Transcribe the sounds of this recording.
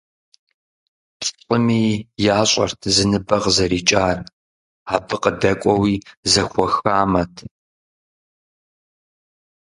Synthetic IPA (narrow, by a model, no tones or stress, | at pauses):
tʼqʼəmiːjaːɕʼɐ̰rtʰzɨnɨbɐʁzɐɾiːt͡ʃʼaːr | aːbɨqədɐkʷʼɔwiːzɐxʷɔxaːmɐtʰ